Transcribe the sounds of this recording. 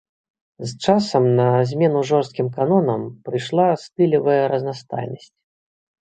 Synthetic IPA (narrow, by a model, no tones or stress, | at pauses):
zt͡ʂasɐmnɐzʲmʲɛnuʐɔrst̪̚kʲimkanɔnɐmpɾɨjʂlˠast̪ɨlʲɐvɐjɐɾɐznast̪a̰jnɐsʲt͡sʲ